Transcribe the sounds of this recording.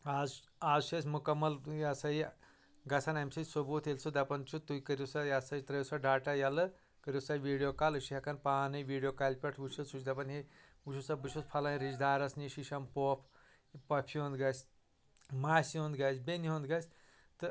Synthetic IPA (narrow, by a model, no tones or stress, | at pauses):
az | aːzʃɐsʲmukɐmːɐljasɐi | ɡɐsʰanɐmsɨsobuːt̪ʰelʲsud̪ɐpɐnt͡ʃʰut̪ujkəɾʲusajasɐit̪ɾɐjisaɖaːʈajɐlɨ | kəɾʲjusajʋiːɖijoːkaːlɨʃiɦʲɐkɐnpaːnɨjʋiːɖijoːkalʲpʲɐʈʰʋut͡ʃʰusut͡ʃd̪ɐpɐnɦe | uʃʰusabɨt͡ʃʰut͡spʰɐlɐɾid͡ʒd̪aːɾɐsniʃiʃɐmpoːpʰ | pɐpʰiõnd̪ɡɐsʲ | maːsiõnd̪ɡɐsʲbʲeniɦõnd̪ɡɐsʲ | t̪ɨ